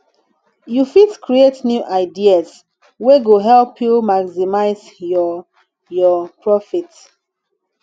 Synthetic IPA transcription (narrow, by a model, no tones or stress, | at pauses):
jufitkɹietnjuʔaɪdias | weɡoɦɛlpjumaɡsimaɪz | jɔ | jɔpɹɔfit